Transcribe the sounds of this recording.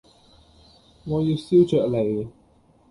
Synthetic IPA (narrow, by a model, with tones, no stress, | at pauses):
ŋɔː˨˧ju˨˧si˥wt͡ʃœː˨k̚le˨˩j